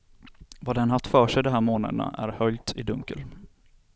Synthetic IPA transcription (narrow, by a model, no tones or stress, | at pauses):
vaːd̪ɛnhaft̪ːfœːʂɛjd̪ɔmɦæːɾmoːna̰d̪əna̰ʔæɾhœlt̪ɪd̪ɵŋkə̰l